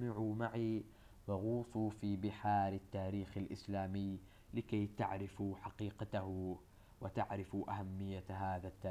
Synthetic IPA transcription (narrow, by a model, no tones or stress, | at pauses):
mɪʕumaʕi | waɣuːfufiːbɪħaːɾˤɪt̪ːaːɾiːxalʔɪ̰slaːmɪj | lɪkajt̪aʕɾɪfħaqiːqat̪ah | wɪt̪aʕɾɪfʔaɦamːɪjːaɦaːðat̪ːaː